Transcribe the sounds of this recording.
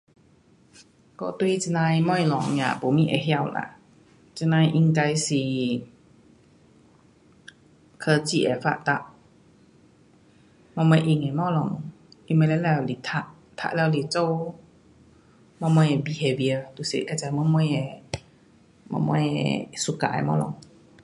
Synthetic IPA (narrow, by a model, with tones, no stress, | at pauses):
kɔ̰˧˨t̪wi˧˨t͡si˧nã˧jmɔ˧jlɔ˨˦ŋ˧ã̰˧˨po˨˦mĩ˧˨ʔḛ˨ɦja˧˨wla̰˧˨ʔ | t͡ɕə˧nã˧jʔi˧ŋka˧jsi˨˩ | kʰə˧t͡ɕi˧ʔɛ˨˩fa̰˧ʔt̪a˧˩ʔ | mɔ̃˧mã˧˦ʔi˧˨ŋɛ˨mɔ˧˦lɔ˨˧˩ŋ | ʔi˧˨mə˧lɛ˧˦lɛ˧˨li˨t̪ʰa˧ʔ | t̪ʰa̰˧ʔlwli˨˩t͡so˧ | mɔ̃˧mɔ˧jɛ˨bi˨˩he˧bi˧ə˧t̪u˧˨sḭ˧˨ka˧˨t͡sa˨˧˦mɔ˧˦mɔ˧jɛ˨˩ | mɔ̰˧mɔ̰̃˧su˧˨ka̰˧˨ḛ˨mɔ̰˧lɔ̰˧˦ŋ